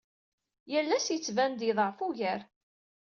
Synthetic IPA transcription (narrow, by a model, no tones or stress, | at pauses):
jəlːæsjət͡sːvænd̪iðˤəʕfuʝəɾ